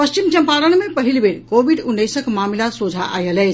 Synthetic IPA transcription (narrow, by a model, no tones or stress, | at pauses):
pəst͡ʃimt͡ʃəmpaɾənmepəɦilbeɽkobiɖunːəsəkmamlasud͡ʒʱaʔa̰jəlɛt͡ʃ